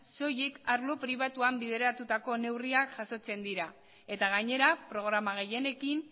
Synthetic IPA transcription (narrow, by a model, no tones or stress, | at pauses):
so̞jekaɾlo̞pɾiβ̞at̪uambiðe̞ɾat̪ut̪ako̞ne̞wriakʝ̥aso̞t͡se̞nd̪iɾa | e̞t̪aɣaɲe̞ɾapɾo̞ɣ̞ɾamaɣ̞e̞je̞ne̞kin